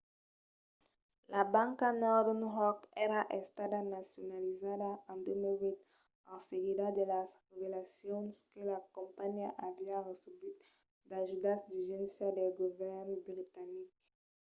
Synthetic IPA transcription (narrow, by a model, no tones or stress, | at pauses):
lʔabãŋkanɔɾd̪nʁɔkɛɾaʔest̪ad̪anasjonalizad̪aãnd̪emilvit̪ | aseɡid̪ad̪elasʁevelasjonskelakõmpaɲiaʔaviaresebit̪ | d̪aʒud̪asd̪yʒɛ̃nsjad̪elɡovɛɾnbɾit̪anik̚